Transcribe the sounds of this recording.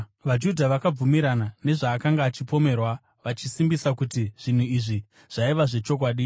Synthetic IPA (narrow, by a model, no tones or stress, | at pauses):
ʋad͡ʒudʱaʋakab͡vumiɾanane̞ʐaːkaŋɡaːt͡ʃipo̞me̞rwa | ʋat͡ʃisimbisakutiʐ̥in̤uiʐi | ʐ̥aiʋaʐe̞t͡ʃo̞k̬waːɗi